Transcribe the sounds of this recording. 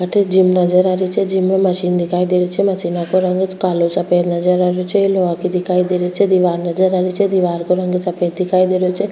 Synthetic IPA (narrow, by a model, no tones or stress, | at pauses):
əʈʰed͡ʒimnɐd͡ʒəɾaɾit͡ʃʰed͡ʒimːemɐʃiːnd̪ikʰaːid̪iɾet͡ʃʰɛmɐsinakoɾɐŋɡət͡ʃkaːlot͡ʃɐpeːt̪nɐd͡ʒəɾaɾjot͡ʃʰeloʋakid̪ikʰaːid̪eɾet͡ʃʰɛd̪iʋaːɾnɐd͡ʒəɾaɾit͡ʃʰed̪iʋaːɾkoɾɐŋɡət͡ʃɐpeːt̪̚d̪ikʰaːid̪eɾjot͡ʃʰe